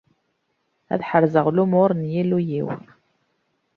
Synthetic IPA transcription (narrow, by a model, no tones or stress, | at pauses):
æ̰ðħəɾzəʁlumʊɾnjilujḭw